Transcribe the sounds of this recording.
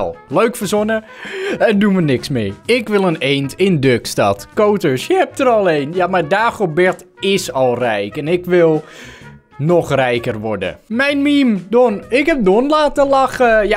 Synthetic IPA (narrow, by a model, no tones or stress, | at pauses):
lˠløɥkfəsonə | ɛndunʋənɪksmeːɪkʋɪlˠəneːntɪndøkstatkoːtəsjəhɛp̚təɾɔlˠeːnjamaɹdaːxobɛrt | ɪsɔlˠrɛjkɛnɪkʋɪlˠ | nɔxrɛjkərʋɔɹdə̰mɛjnmimdonɪkhɛp̚donlaːtəlaxəja